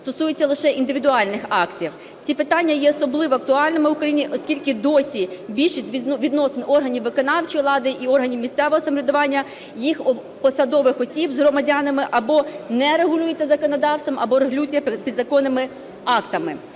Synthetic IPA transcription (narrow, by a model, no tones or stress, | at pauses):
st̪ɔsujet͡sʲːɐlˠɪʃɛʔind̪ɪʋʲid̪ʊɑlʲnɪxɑktʲiw | t͡sʲipɪt̪ɑnʲːɐjɛɔsɔblˠɪʋɔɐk̚t̪ʊɑlʲnɪmɪʊkɾɐjinʲiʔɔsʲkʲilʲkɪd̪ɔsʲibʲilʲʃisʲʋʲid̪nɔsenɔrɦɐnʲiwːɪkɔnɑwt͡ʃɔjlˠɑd̪ɪʔiɔrɦɐnʲiwmʲisʲt̪sɛʋɔɦɔsɐmɔɾʲʊd̪ʊʋɑnʲːɐ | jixɔ | pɔsɐd̪ɔʋɪxɔsʲibzɦɾɔmɐdʲanɐmɪʔɐbɔnɛɾeɦʊlʲujet͡sʲːɐzɐkɔnɔd̪ɑwst̪ʋɐmʔɐbɔɾeɦlʲut͡sʲjɐpʲid̪zɐkɔnɪmɪ | ɑkt̪ɐmɪ